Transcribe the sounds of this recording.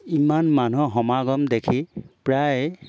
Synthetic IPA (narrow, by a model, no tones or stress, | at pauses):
imanmanuɦɔmaɡɔmdekʰipɹaj